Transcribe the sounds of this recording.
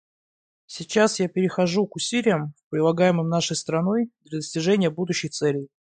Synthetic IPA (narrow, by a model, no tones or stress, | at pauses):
sʲɪt͡ɕːasjapʲɪɾʲɪxɐʐukʊsʲilʲɪjəmpɾʲɪlˠɐɡajɪmɨmnaʂəjst̪ɾɐno̞jd̪lʲɐd̪əsʲtʲɪʐɛnʲɪjəbud̪ʊɕːɪjt̪sɛlʲɪj